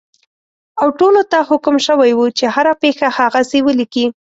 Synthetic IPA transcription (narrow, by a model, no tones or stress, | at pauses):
awʈolot̪ahʊkʊmʃəwajwut͡ʃehaɾapexahaɣasewəliki